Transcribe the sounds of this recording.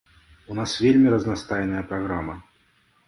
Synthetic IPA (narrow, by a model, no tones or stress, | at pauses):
unasvʲelʲmʲiɾɐznast̪ajnɐjɐpɾaɣɾamɐ